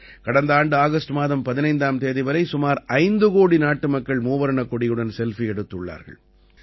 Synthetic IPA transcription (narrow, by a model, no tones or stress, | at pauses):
kɐɽɐnd̪ɐaːɳɖɯaːɣɐsʈmaːðɐmpɐðɪnɐɪnd̪aːmt̪eːðɐɪʋɐɾɐɪsʊmaːɾɐɪnd̪ɯkoːɽinaːʈːɯmɐkːɐɭmuːʋɐɾɐɳɐkːɔɽɪjɯɽɐnsɛlfiɛɽɯt̪ːɯɭːa̰ːɾɣɐ̰ɭ